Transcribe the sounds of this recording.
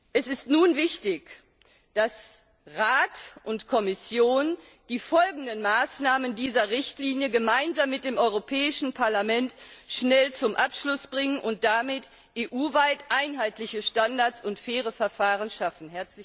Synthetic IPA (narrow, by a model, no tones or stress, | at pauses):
ʔɛsɪstnuːnvɪçtɪç | d̥as | ʁaːtʔʊntkʰɔmɪsjoːn | d̥iːfɔlɡŋ̩dənmaːsnaːməndiːzɐʁɪçtliːnjəɡəmaɪnzaːmːɪt̚d̥eːmʔɔʏʁopʰɛːɪʃn̩pʰaɐlamɛntʃnɛlt͡sʊmʔapʃlʊsb̥ʁɪŋənʔʊnt̚d̥amɪt | ʔeːʔuːvaɪtʔaɪnɦaɪtʰlɪçəʃtandaɐsʊntfɛːʁ̞əfɛɐfaːʁənʃafn̩ɦɛɐt͡sɪ